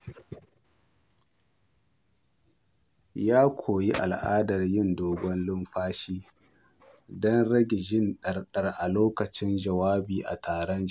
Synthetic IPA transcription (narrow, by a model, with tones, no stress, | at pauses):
jaː˦kʷʰoː˨ji˦ʔa̰˨lʔa̰ː˦dɐ˨rjɪ˦˨ndoː˨ɡʷɔ˦nlɪ˦mɸaː˦ʃiː˦ | dɔ˦nɽɐ˦ɡʲe˨ʒɪ˦nɗɐ˨rɗɐ˨rʔa˨loː˦kɐ˨t͡ʃɪ˦nd͡ʒɐ˨waː˦biː˨ʔa̰˨tʰaː˨ɾɔ˦n